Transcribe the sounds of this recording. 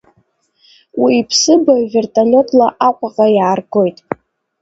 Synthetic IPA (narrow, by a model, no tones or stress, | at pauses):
wiːpʰsɨbavʲe̞rtʼalʲe̞tʰʼlaʔaqʷʼaqʼajaːrɡo̞jtʼ